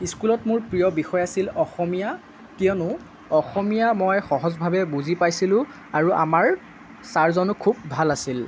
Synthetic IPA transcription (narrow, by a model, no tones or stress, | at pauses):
iskulɔtmʊɹpɹijɔbixɔjasilɔxɔmija | kijɔnʊ | ɔxɔmijamɔjxɔɦɔzbʱabɛbuzipajsilʊ̃ | aɹuʔa̰maɹ | saɹzɔnʊkʰubːʱalasil